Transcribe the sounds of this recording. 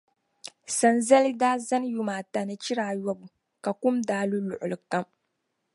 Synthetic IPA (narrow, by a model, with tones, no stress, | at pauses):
sa˨nza˦li˦daː˦za˦nju˦maː˨ta˨nɨ˦t͡ʃi˦ɾaː˨jɔ˦bu˨ | ka˨kʊ˦mdaː˦lu˦lʊ˨ʔʊ˨lɨ˨ka˦m